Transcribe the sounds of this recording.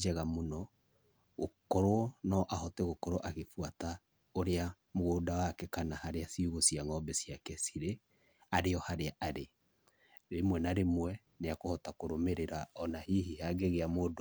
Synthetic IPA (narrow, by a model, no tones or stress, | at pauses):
d͡ʒɛɣamonɔ | ɣokɔɾonɔʔahɔtɛɣokɔɾoʔaɣefuata | oɾea | moɣoːdawakɛkanahaɾeasiuɣosiaŋɔbɛsiakɛsiɾe | aɾeɔhaɾeaʔaɾe | ɾemwɛnaɾemwɛ | neakohɔtakoɾomeɾeɾaɔnahiɦihaɡeɣeamoːdo